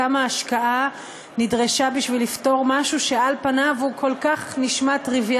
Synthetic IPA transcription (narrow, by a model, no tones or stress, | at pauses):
amaːʃkaa | nidʁeʃabiʃvilifto̞ʁmaʃuʃealpanavukʰo̞lkaχniʃmatʁivj